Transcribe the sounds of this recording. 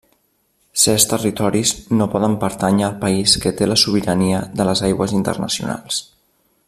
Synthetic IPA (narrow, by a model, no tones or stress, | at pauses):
sɛst̪ərit̪ɔɾiznopɔðəmpəɾt̪aɲəːlˠpəiskət̪eləsuβ̞iɾəniəðələzajɣwəzint̪ə̰rnə̰siṵna̰lˠs